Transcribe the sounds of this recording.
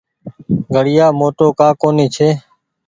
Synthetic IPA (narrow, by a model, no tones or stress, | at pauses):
ɡʱəɽɪjaːmoːʈoːkãːkoːniːt͡ʃʰeː